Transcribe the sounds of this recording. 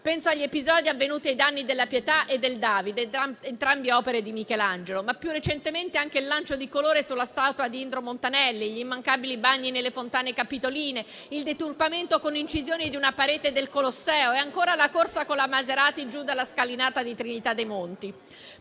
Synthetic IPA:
pɛnsoaʎːiepizɔːd̪iavːenuːt̪iajd̪anːid̪elːapjet̪aʔed̪ːeld̪aːvid̪eːnt̪ɾambeɔːpeɾed̪imikɛland͡ʒelomapːjurːet͡ʃent̪ement̪eaŋk̟eilːant͡ʃod̪ikoloːɾesulːast̪aːt̪wad̪iind̪ɾomont̪anɛlːiʎiimːaŋkabilibaɲːinelːefont̪aːnekapit̪oliːne | ild̪et̪urpament̪okonint͡ʃizjoːnid̪iunapaɾeːt̪ed̪elkolosːɛːoeaŋkoːɾalakorsakonlamazeɾaːt̪id͡ʒud̪alːaskalinaːt̪ad̪it̪ɾinit̪ad̪ːejmont̪i

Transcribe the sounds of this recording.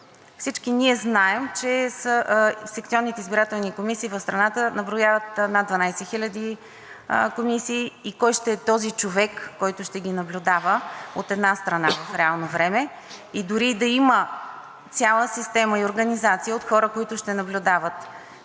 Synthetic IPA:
fsit͡ʃkiniɛznaɛmt͡ʃɛsəsɛk̚t̪siɔnːit̪ɛizbiɾat̪ɛlˠnikomisiːvəfst̪ɾɐnat̪ənɐbɾʊjavət̪nad̪d̪vɐnajsɛxilʲəd̪i | komisiːkɔjʃt̪ɛɛt̪ɔzit͡ʃovɛkːɔjt̪ʊʃt̪ɛɡʲinɐblʲʊd̪avəot̪ɛd̪nast̪ɾɐnavɐfɾɛalˠnovɾɛmɛ | id̪ʊɾid̪ɐimə | t̪sʲjalˠəsist̪ɛməioɾɡənizat̪sijəot̪xɔɾəkoit̪ʊʃt̪ɛnɐblʲʊd̪avət̪

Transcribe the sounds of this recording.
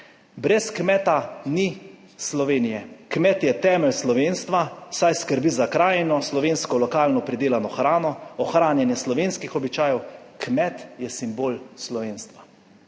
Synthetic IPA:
bɾɛskmɛt̪ani | slɔʋeːnijɛkmɛt̪jɛt̪ɛːmɛlslɔʋeːnst̪ʋasajskəɾbizakɾaːjɛnɔslɔʋeːnskɔlɔkaːlnɔpɾid̪eːlanɔxɾaːnɔɔxɾaːnjɛnjɛslɔʋeːnskixɔbit͡ʃaːjɛw | kmɛt̪jɛsimboːlslɔʋeːnst̪ʋa

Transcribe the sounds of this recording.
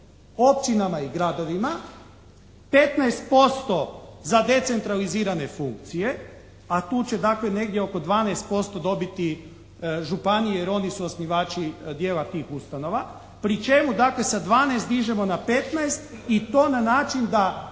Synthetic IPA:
o̞p̚t͡ʃinamaiɡɾad̪o̞ʋima | pe̞t̪naest̪̚po̞st̪o̞zad̪e̞t̪se̞nt̪ɾaliziːɾane̞fuŋk̚t̪sije̞ | at̪uːt͡ɕe̞d̪akle̞ne̞ɡd̪jeo̞ko̞d̪ʋaːnɛest̪̚po̞st̪o̞d̪o̞bit̪i | ʒupanijejeɾo̞nisuosniʋaːt͡ʃid̪jeːlat̪iːxust̪ano̞ʋa | pɾit͡ʃe̞mud̪akle̞sad̪ʋaːnest̪d̪iʒe̞mo̞nape̞t̪naest̪it̪o̞ːnanaːt͡ʃind̪a

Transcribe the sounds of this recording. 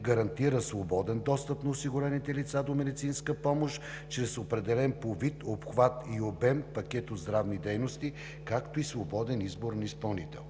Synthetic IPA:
ɡəɾɐnt̪iɾəsvobɔd̪ɛnd̪ɔst̪əpnɐosiɡʊɾɛnit̪ɛlit̪sad̪omɛd̪it̪sinskəpɔmoʃ | t͡ʃɾɛsopɾɛd̪ɛlɛnpovit̪opxvat̪iobɛmpɐkʲɛt̪od̪zd̪ɾavnid̪ɛjnost̪i | kakt̪oisvobɔd̪ɛnizboɾnispɐlˠnit̪ɛ̰lˠ

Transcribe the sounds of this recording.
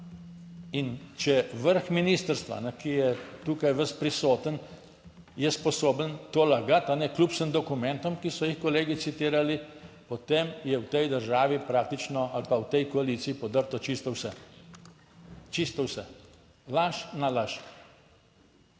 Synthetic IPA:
int͡ʃɛʋəɾxminiːst̪əɾst̪ʋa̰nɛkijɛt̪uːkajʋəs̚pɾisoːt̪ən | jɛspɔsoːbənt̪oːlaɡat̪anɛkluːpsəmd̪ɔkumɛnt̪ɔmkisɔjixkɔleːɡit̪sit̪iːɾali | pɔt̪emjɛwt̪ɛjd̪əɾʒaːʋipɾaːk̚t̪it͡ʃnɔalpawt̪ɛjkɔalit̪siːpɔd̪əɾt̪ɔt͡ʃist̪ɔwsɛ | t͡ʃist̪ɔwsɛ | laʃnalaʃ

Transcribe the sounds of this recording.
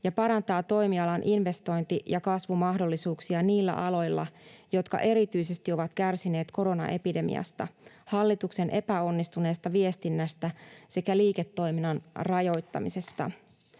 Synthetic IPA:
jɑpɑɾɑnt̪ɑːt̪o̞jmiɑlɑnʔinʋe̞st̪o̞jnt̪ijɑkɑsʋumɑhdo̞lːisuːksiɑniːlːæ̰ʔɑlo̞jlːɑ̰jo̞t̪kɑ̰ʔe̞ɾit̪yjse̞st̪io̞ʋɑt̪kærsine̞ːt̪ko̞ɾo̞nɑ̰ʔepide̞mḭɑ̰st̪ɑ̰hɑlːit̪ukse̞nʔe̞pæo̞nːist̪une̞ːst̪ɑʋie̞st̪inːæst̪æse̞kæliːket̪ːo̞jminɑnrɑjo̞jt̪ːɑ̰mise̞st̪ɑ̰

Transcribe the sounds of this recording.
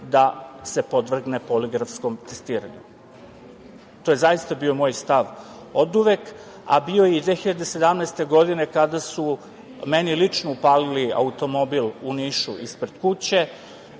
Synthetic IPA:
d̪ase̞po̞d̪ʋr̩ɡnepoliɡɾafsko̞mt̪e̞̥st̪iːɾa̰ɲṵ | t̪oje̞zajist̪abio̞mo̞ːjst̪aʋ | od̪uʋek | a̰bio̞jeid̪ʋeːxiʎad̪ese̞d̪amnɛest̪e̞ɡo̞d̪ine̞kad̪asu | menilit͡ʂnoupaːlilia̰ut̪o̞mo̞biluniːʃuʔispɾe̞d̪̥kut͡ɕe̞

